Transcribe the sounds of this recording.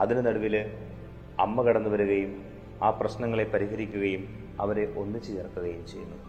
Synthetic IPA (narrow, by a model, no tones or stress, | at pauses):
ɐðinɨnɐɽɐʋil | ɐ̰mːɐkɐɽɐnːuʋɐɾuɣɐjum | aːprɐɕnɐŋːɐɭe̞pɐɾiɦɐɾikʲːuɣɐjum | ɐʋɐɾe̞ʔo̞nːit͡ɕːijɐrɐkːuɣɐjumt͡ɕe̞junːu